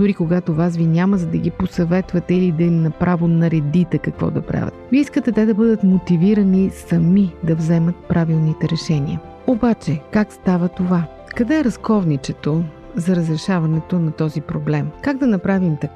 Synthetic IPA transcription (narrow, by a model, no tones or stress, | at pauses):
d̪uɾikoɡat̪ovasvinʲaməzɐd̪ɐɡiposɐvɛt̪vɐt̪ɛilid̪ɐimnɐpɾʔavonɐɾɛd̪it̪ɛkɐkvɔ̰d̪ɐ̰pɾa̰vʲə̰t̪viəiskət̪ɛt̪ɛd̪ɐbɤd̪ət̪mot̪iviɾɐnisɐmid̪ɐvzɛmɐt̪̚pɾʔavilˠnit̪ɛɾɛʃɛnḭə̰ | obat͡ʃɛkakst̪avət̪ova | kɐd̪ɛɛɾɐskɔvnit͡ʃɛt̪o | zɐɾəzɾɛʃavɐnɛt̪onɐt̪ɔzipɾoblɛmkaɡd̪ɐnɐpɾavimt̪ɐk